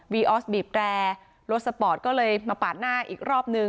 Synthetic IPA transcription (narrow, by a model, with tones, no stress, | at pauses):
wiː˧ʔɔː˦˥sbiː˨˩p̚ɾɛː˧ | lo˦˥t̪̚sa˧pɔː˨˩t̪̚kɔː˥˩lɤː˧jmaː˧paː˨˩t̪̚naː˥˩ʔḭː˨˩k̚ɾɔː˥˩p̚nɯ˧